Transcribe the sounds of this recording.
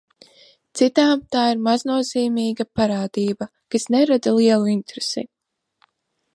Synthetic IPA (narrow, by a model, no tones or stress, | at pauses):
t̪sit̪aːmt̪aːiɾmaznuɔz̥iːmiːɡapaɾaːd̪iːba | kasnɛɾad̪alˠiɛlˠuint̪ɾesɛ̰